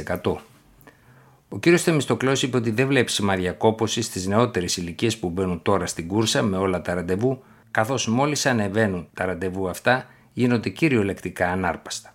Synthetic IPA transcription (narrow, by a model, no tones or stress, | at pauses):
ekɐt̪o̞ | o̞ciɾio̞st̪emist̪o̞klo̞sipeo̞t̪iðe̞vle̞psimɐɾʝɐko̞po̞sist̪izne̞o̞t̪e̞ɾesilicie̞spube̞nunt̪o̞ɾɐst̪iɡuɾsɐme̞o̞lɐt̪ɐɾɐnd̪e̞vu | kɐθo̞zmo̞lisɐne̞ve̞nunt̪ɐɾɐnd̪e̞vuɐft̪ɐ | ʝino̞nd̪e̞ciɾio̞le̞kt̪ikɐːnɐɾpɐ̥st̪ɐ̥